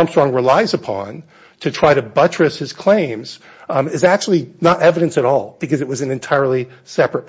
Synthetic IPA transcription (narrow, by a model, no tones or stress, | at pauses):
mstɹ̥ɔ̃ŋɹɨlaɪzɨpʰɑ̰̃n | tʰɨtʰɹ̥aɪɾɨbʌt͡ʃɹ̥ɨshɨz̥kʰl̥ẽɪ̃mz̥ | ɨzæk̚t͡ʃul̩ˠinəɾɛvɨɾɨ̃nsɨɾɔlˠb̥ɨkʌzɨt̚wʌzn̩ɨ̃ntʰaɪə˞lˠi | sɛpɹɨt̚